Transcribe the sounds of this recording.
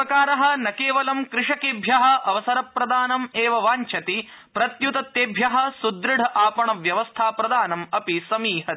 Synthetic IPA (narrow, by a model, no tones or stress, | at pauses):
ɐkaːɾɐɦɐ̆nɐkeːʋɐlɐmkɾɪʂɐkeːbʱjɐɦɐ̆ʔɐʋɐsɐɾɐpːɾɐd̪aːnɐmeːʋɐʋaːɲt͡ʃʰɐt̪i | pɾɐt̪jut̪ɐt̪ːeːbʱjɐɦɐ̆sud̪ɾɪɽʱɐʔaːpɐɳɐʋjɐʋɐst̪ʰaːpɾɐd̪aːnɐmɐpisɐmiːɦɐ